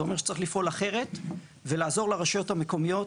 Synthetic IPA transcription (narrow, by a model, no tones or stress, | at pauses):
o̞meʃe̥t͡saʁiχlifʔo̞laχe̞ʁe̞t̪ | velaːzo̞ʁleʁaʃajo̞thameko̞mijo̞